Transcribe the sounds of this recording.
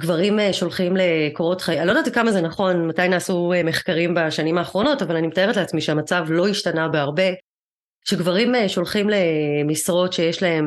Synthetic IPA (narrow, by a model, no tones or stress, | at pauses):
ɡvaʁimeʃo̞lχimle̞koʁo̞tχaalo̞d̪aːt̪ikamazenaχo̞nmatajnaːsueme̞χkaʁimbaʃanimaːχʁo̞no̞tavalanimetae̞ʁetleat͡smiʃeamat͡savlo̞iʃtanabeaʁbe̞ | ʃeɡvaʁimʃo̞lχimle̞misʁo̞tʃe̞jeʃlae̞m